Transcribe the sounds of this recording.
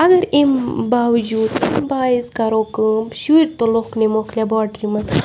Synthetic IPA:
ɐɡɐɾimbaːwd͡ʒuːd̪imbaːizkɐɾoːkɨʃuɾt̪oloknemoklʲabaːʈɾimɐs

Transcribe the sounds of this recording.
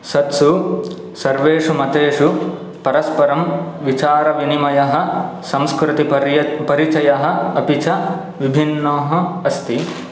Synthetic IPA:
sɐt̪su | sɐɾʋeːʂumɐt̪eːʂu | pɐɾɐspɐɾɐmʋit͡ʃaːɾɐʋinimɐjɐɦɐ̆ | sɐ̃mskɾɪt̪ipɐɾit͡ʃɐjɐɦɐ̆ɐpit͡ʃɐ | ʋibʱinːoːɦɐ̆ɐst̪i

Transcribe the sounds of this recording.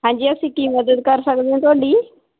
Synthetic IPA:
ɦãɲd͡ʑiːəsĩːkiːməd̪əd̪̚kəɾsəɡd̪ẽt̪oːɽiː

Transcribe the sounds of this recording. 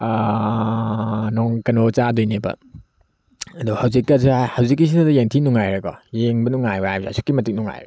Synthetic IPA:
nɔŋkɐnot͡ʃadojnebɐ̰ | ɐduhɐwzikːɐshɐwzik̬ːis̬inadɐjeŋtʰinuŋajɾɐkɔ̰jeŋbɐnuŋajbaajbsa̰sʰu̥kːimɐtik̚nuŋa̰jɾɐ̰

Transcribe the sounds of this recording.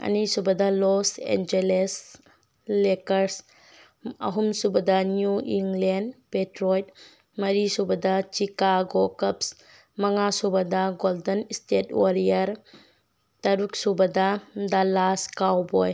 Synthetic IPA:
ɐ̰nisubɐdɐlɔsḛnd͡ʒeles | lekɐɾs | ɐ̰ɦumsubɐdɐnjuiŋlendpetɾɔjt̚ | mɐɾisubɐdɐt͡ʃikaɡokɐps | mɐŋasubɐdɐɡoldɐnistetoɾijɐɾ | tɐɾuksubɐdɐdalaskawbɔj

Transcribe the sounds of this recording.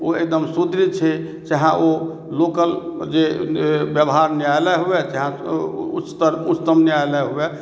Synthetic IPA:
oek̚d̪əmsud̪ʱɾit͡ʃʰɛ | t͡ʃɛɦãʔo | lokəld͡ʒebjəbɦaɾneaelɛɦuɛd͡ʒeɦãut͡ʃːt̪əɾut͡ʃt̪əmnjajlɛɦuɛ

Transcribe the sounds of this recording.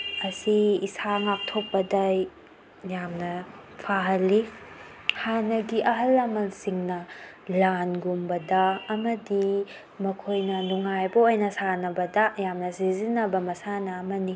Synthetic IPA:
ɐsiːsaŋak̚tʰop̚pːɐdɐ | jamnɐ | pʰaɦɐlːi | hanɐɡiʔɐɦɐlːɐmɐnsiŋnɐ | lanɡumbɐdɐːmɐdi | mɐkʰojnɐnuŋajbɐojnɐsanɐbɐdɐjamnɐsizinːɐbɐmɐsanɐːmɐni

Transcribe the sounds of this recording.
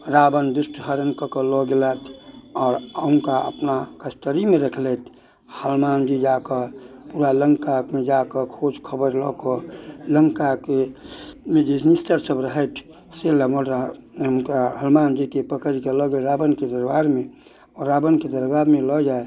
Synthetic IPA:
ɾaːbənd̪ʊsʈɦəɾənkəkəlɔɡelat̪ʰɔːɾəʊ̃ŋkaə̰pnakəst̪əɾimẽɾəkʰlet̪ʰ | həlmaːnd͡ʒid͡ʒakəpuɾaləŋkamẽd͡ʒakəkʰoːd͡ʒkʰəbəɾlɔkələŋkake | mẽd͡ʒisnist̪əɾsəbɾəɦət̪ʰ | seləməmkaɦəlmaːnd͡ʒikepəkəɾkelɔɡeɾaːbənked̪əɾbaːɾmẽ | ɔɾːaːbənked̪əɾbaːɾmẽlɔd͡ʒaːe

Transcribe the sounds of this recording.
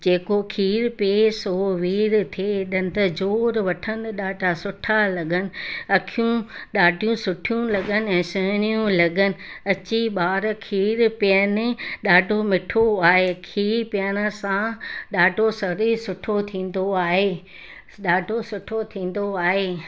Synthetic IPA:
d͡ʑeːkokʰiːɾpeːsoːʋiːɾt̪ʰeɗɐn̆t̪əd͡ʑoːɾʋɐʈʰənɪ̆ɗaːɖʱasʊʈʰalɐɠənɪ̆ɐkʰijũɗaːɖʱijũsʊʈʰijũlɐɠənɪ̆ɛ̃ːsɐnijũlɐɠənɪ̆ɐt͡ɕiɓaːɾkʰiːɾpɪjənɪɗaːɖʱomɪʈʰoaːɦekʰiːɾpjəñə̆sãɗaːɖʱosɐɾisʊʈʰot̪ʰĩːn̆d̪oaːɦeː | ɗaːɖʱosʊʈʰot̪ʰĩːn̆d̪oaːɦeː

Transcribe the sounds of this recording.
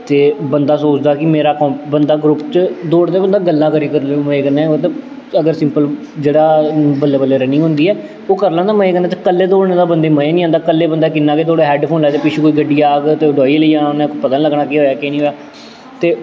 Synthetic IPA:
t̪eːbənd̪aːsoːt͡ʃd̪aːkɪmeːɾaːkɔ̃ːbənd̪aːɡɾʊpt͡ʃd̪oːɽd̪eːbənd̪aːɡəlːãːkəɾiːkəɾlːmeːkənɛ̃ːt̪e | əɡəɾsɪ̃mpəl | d͡ʒeːɽaːbəlːeːbəlːeːɾənĩːɦʊ̃nd̪iːɛː | oːkəɾlãːd̪aːməeːkənaːt̪ekəlːeːd̪oːɽnːd̪aːbənd̪eːməeːnĩːãːnd̪aːkəlːeːbənd̪aːkɪnːãːkeːd̪oːɽeːɦɛːɖpʰoːnlɛːd̪eːpɪt͡ʃʰeːkoːiːɡəɖːiːaːɡt̪eːɖoːiliːaːoːnɛ̃ːkːpət̪ənləɡɳaːkɪɦoːjaːkeːnĩːɦoːjaː | t̪eː

